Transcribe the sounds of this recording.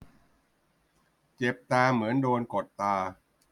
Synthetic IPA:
t͡ɕe˨˩p̚t̪aː˧mɯ˩˦əndoː˧nko˨˩t̪ːaː˧

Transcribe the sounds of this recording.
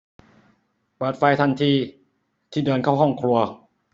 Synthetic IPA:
bɤː˨˩t̪̚faː˧jt̪ʰa˧nt̪ʰiː˧ | t̪ʰiː˥˩dɤː˧nkʰaː˥˩wɦɔ˥˩ŋkʰɾu˧ɐ

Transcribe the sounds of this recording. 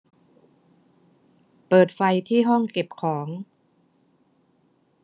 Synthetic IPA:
pɤː˨˩t̪̚fa˧jt̪ʰiː˥˩ɦɔ˥˩ŋke˨˩p̚kʰɔː˩˦ŋ

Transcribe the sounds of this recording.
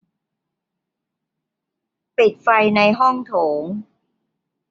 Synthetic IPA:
pi˨˩t̪̚fa˧jna˧jɦɔ˥˩ŋt̪ʰoː˩˦ŋ

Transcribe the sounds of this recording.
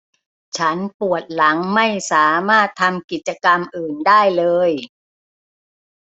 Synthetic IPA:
t͡ɕʰa˦˥npu˨˩ət̪̚la˩˦ŋma˥˩jsaː˩˦maː˥˩t̪ʰːa˧mki˨˩t̪̚t͡ɕa˧ka˧mʔɯː˨˩ndaː˥˩jlɤː˧j

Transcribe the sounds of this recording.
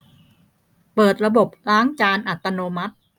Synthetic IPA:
pɤː˨˩t̪̚ɾa˧bo˨˩p̚ɾaː˦˥ŋt͡ɕaː˧nʔa˨˩t̪ːa˧noː˧ma˦˥t̪̚

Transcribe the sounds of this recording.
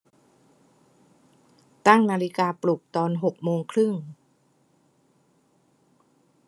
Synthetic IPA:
t̪a˥˩ŋnaː˧li˦˥kaː˧plu˨˩k̚t̪ɔː˧nɦo˨˩k̚moː˧ŋkʰɾɯ˥˩ŋ

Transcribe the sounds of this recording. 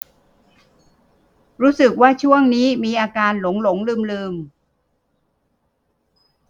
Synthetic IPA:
ɾuː˦˥sɯ˨˩k̚waː˥˩t͡ɕʰu˥˩əŋniː˦˥miː˧ʔaː˧kaː˧nlo˩˦ŋlo˩˦ŋlɯː˧mlɯː˧m

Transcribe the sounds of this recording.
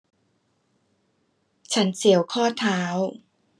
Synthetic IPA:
t͡ɕʰa˦˥nsi˩˦əwkʰɔː˥˩t̪ʰaː˦˥w

